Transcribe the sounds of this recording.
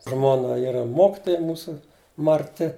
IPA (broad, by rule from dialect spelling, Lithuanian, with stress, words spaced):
ˈʒmoːnɐ ˈiːrɐ ˈmoːkʲɪtoːjɛ ˈmuːsʊ mɐrʲˈtʲɪ